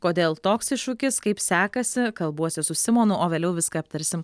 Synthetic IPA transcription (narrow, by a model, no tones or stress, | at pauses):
koːd̪ʲeːlˠt̪oːksɪʃʊkʲɪskɐɪpsʲæːkɐsʲɪkɐlˠbuɔsʲɪsʊsʲɪmoːnʊʔoːʋʲeːlʲɛʊʋʲɪskɐɐp̚t̪ɐɾʲsʲɪm